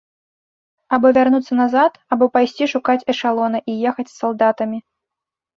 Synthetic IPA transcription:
abɔvʲarnut̪sːɐnazat̪abɔpajsʲt͡sʲiʂukat͡sʲɛʂalˠɔnɐʔijɛxɐt͡sʲsːalˠd̪at̪ɐmʲi

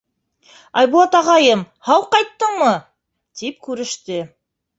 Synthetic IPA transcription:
ɑjbulˠɑt̪ɑʁɑjɤm | hɑwqɑjt̪ːɤɴmɤ | t̪ip̚kʉɾɘ̆ʃt̪ɘ

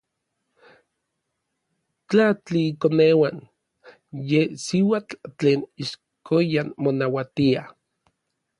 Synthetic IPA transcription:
t͡ɬat͡ɬiːkonewan | jesiwat͡ɬt͡ɬeːniʃ | kojanmonawat̪ia

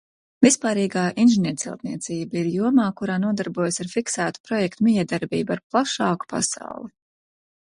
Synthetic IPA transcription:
vispaːɾiːɡaːʔinʒiniɾt̪silˠt̪niɛt̪siːbaiɾjuɔmaːkuɾaːnuɔd̪aɾbuɔjasaɾfiksæːt̪u̥pɾɔjɛkt̪umijɛd̪aɾbiːbuaɾplˠaʃɑːku̥pa̰sa̰wlˠi

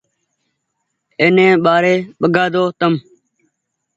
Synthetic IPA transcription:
eːnẽːɓaːɾeːɓəɡʱaːd̪oːt̪əm

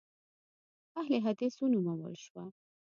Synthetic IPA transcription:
ahleɦad̪esunumawə̰lʃwa

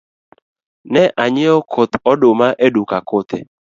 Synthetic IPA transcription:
nɛʔaɲɪɔkʰot̪ɔdomaʔedukakot̪ḛ

